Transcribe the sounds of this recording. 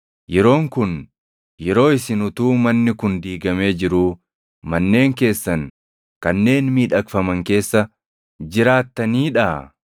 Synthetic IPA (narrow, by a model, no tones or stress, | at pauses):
jɛɾo̞ːŋkʊn | jɛɾo̞ːɪsɪnʊt̪uːmɐnːɪkʊnd̪iːɡɐme̞ːd͡ʒɪɾuː | mɐnːe̞ːŋke̞ːsːɐn | kɐnːe̞ːnmiːᶑɐkfɐmɐŋke̞ːsːɐ | d͡ʒɪɾaːt̪ːɐniːᶑɐː